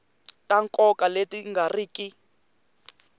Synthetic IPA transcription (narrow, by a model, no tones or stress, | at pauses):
taŋkʼɔkaletiŋɡariːki